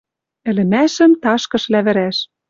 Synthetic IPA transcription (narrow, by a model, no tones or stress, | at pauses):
ɘ̆lɘ̆mæʃɘ̆mt̪ɑʃkɤ̆ʃlæβɘ̆ɾæʃ